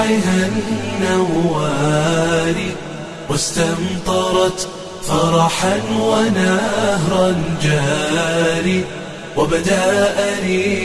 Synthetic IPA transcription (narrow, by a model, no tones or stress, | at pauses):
aɦannːawaːɾiː | wast̪ant̪ˤɑɾˤɑt̪ | fɑɾˤɑħanwanahɾˤɑnd͡ʒaːɾiː | wabad̪aʔaniː